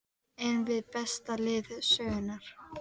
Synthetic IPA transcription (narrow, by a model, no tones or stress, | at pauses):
ɛnvɪðpɛst̪alɪːðʏsœːɣʏnaɾ̥